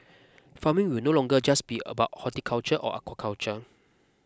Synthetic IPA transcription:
famĩŋwinolɔ̃ŋɡəd͡ʒasbiə̰baʊt̚hɔtikʰalt͡ʃəʔɔ̰ʔa̰kwakʰawt͡ʃə

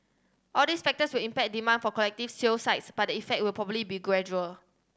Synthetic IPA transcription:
ʔɔldisfɛk̚təswilĩmpɛk̚dimãndfɔkɔlɛk̚tifsilsaɪtsb̥at̚dəifɛk̚t̚wilpʰɹɔbəblibiɡɹɛd͡ʒuəl

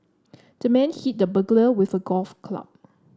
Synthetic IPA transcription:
d̥əmɛ̃nhit̚dəbəɡləwɪθəɡɔlfkʰla̰p̚

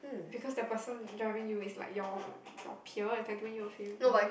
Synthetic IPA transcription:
b̥ikʰɔsdəpəsə̃ndɹaɪvĩŋjuɪsla̰ɪkjɔ | jɔ̰pʰjuəatɛ̃twɛ̃njuəfilnobaj

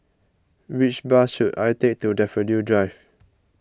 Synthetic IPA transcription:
wit͡ʃbaʃutajtek̚tudɛfəljudɹajv

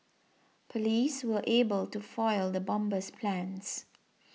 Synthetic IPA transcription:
pʰəliːswəʔebəltufɔɪld̪əbɔ̃mbəspʰlãns

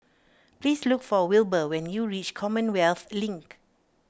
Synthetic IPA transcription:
plislukfɔwilbəwɛ̃njuɹit͡ʃkʰɔmə̃nwɛlθlĩŋk

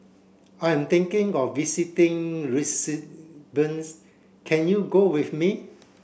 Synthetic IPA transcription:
ãjɛ̃mt̪ɪ̃ŋkɪ̃ŋɔfːisitɪ̃ŋɹisibə̃ns | kʰɛ̃njuɡowifmi

